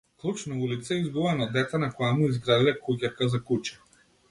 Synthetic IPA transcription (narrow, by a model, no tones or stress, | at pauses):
klˠut͡ʃnaulit̪saizɡuvanɔd̪ɛt̪anakɔjamuizɡɾad̪ilɛkukʲakazakut͡ʃɛ̥